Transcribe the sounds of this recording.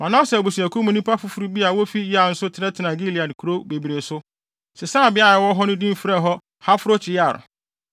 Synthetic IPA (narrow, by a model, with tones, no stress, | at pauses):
mã˨nã˦sɛ˨bu˨su˨æ˨kʰu˦mũ˨nĩ˦pa˦fʊ˦fu˦ɾu˦bi˦a˨wo˦fi˦ja˨n̩˦sʊ˦tʰɪ˨ɾɛ˦tʰɪ˨nã˨ɡi˦li˨a˨n˨kʰu˨ɾo˦be˨bi˨ɾe˨sʊ˦ | sɛ˨sã˦˨bɪ˦a˦jɛ˨wɔ˦ɦɔ˦nʊ̃˦dĩ˦m̩˦fɾɛ˦ɦɔ˦ | ha˦fʊ˦ɾo˦t͡ɕʰɪ˨ja˨ɾʊ̰˨